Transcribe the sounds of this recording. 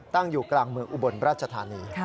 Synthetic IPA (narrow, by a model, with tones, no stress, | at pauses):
t̪a˥˩ŋjuː˨˩klaː˨˧ŋmɯ˧əŋʔu˧˩bo˨˩nɾaː˥˩t̪̚t͡ɕʰa˧t̪ʰaː˨˦niː˧